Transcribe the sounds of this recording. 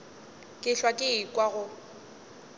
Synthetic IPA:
kʼɪɬwakʼɪɪkʼwaɣʊ

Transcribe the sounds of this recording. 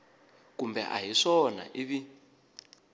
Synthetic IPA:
kumbɛ̰ʔa̰ɦiʂɔna̰ʔiβi

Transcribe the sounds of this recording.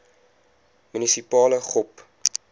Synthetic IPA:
mynisipɑːləχɔp

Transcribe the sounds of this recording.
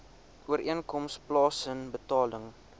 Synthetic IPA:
uəɾiənkɔmsplɑːsənbətɑːləŋ

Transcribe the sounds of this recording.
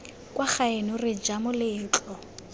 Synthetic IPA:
kwaχaɪnʊrɪd͡ʒamʊlɪːt͡ɬʼɔ

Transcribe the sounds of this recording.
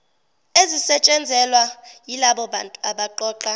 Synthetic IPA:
ezisɛt͡ʃʼɛnd͡zʱɛlwajilaɓɔantʼaɓaǃɔːǃa

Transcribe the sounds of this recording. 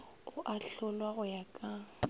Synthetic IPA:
ʊʔaɬʊlwaɣʊjakʼa

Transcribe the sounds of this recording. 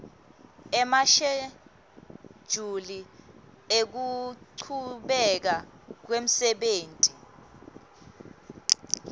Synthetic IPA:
ɛmaʃɛ | ʒ̥ʱuli | ek̬uǀʰuɓɛk̬ak̬wem̩sɛɓeːntʼi

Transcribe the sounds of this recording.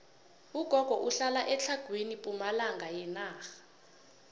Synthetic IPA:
uɡ̥ʱɔɡ̥ʱɔʔuɬalaʔɛt͡ɬʰaɡ̥ʱwenipʼumalaŋɡʱajɛnaːxḁ

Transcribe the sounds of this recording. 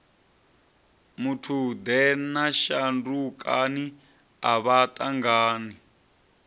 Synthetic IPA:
mutʰud̪ɛnaʃandukʼani | a̰βatʼaŋɡaːni

